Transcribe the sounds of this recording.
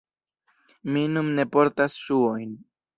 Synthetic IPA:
minumne̞po̞ɾtasʃuojn

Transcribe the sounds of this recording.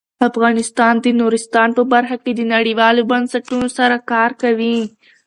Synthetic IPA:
afɣɑnɪst̪ɑːnd̪ənoɾɪst̪ɑːnpəbaɾxaked̪ənaɽiwɑːlobansaʈunosaɾakɑːɾkawi

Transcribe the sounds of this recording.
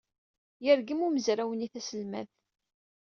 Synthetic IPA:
jəɾɡəmuməzɾæwəniθæsəlmæ̰θ

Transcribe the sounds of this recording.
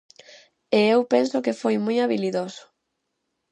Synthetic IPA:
eewpensʊkɪfojmujaβiliðosʊ̥

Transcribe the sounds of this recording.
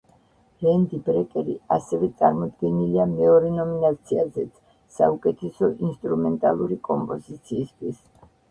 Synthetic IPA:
ɾɛnd̪ibɾɛkʼɛɾḭasɛvɛt̪sʼaɾmɔd̪ɡɛniliamɛɔɾɛnɔminat̪sʰiazɛt̪sʰ | sa̰ukʼɛt̪ʰɛsɔʔinst̪ʼɾumɛnt̪ʼalˠuɾikʼɔmpʼɔzit̪sʰiːst̪ʰwis

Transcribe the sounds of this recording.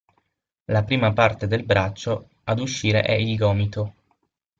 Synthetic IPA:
lapɾiːmapart̪ed̪elbɾat͡ʃːo | ad̪uʃːiːɾḛʔɛilɡɔːmit̪o

